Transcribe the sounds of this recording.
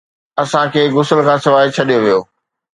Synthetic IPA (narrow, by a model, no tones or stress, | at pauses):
ɐsãkʰeːɡʊsəlkʰãːsɪʋaːɦɪt͡ɕʰɐɗijoʋijoː